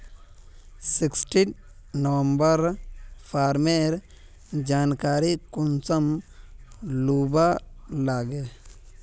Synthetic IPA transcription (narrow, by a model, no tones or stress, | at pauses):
sɪksʈi | nɐwə̃mbəɾfʰaːɾmeɾ | d͡ʒaːnkaːɾikunsɐm | luːbalaːɡe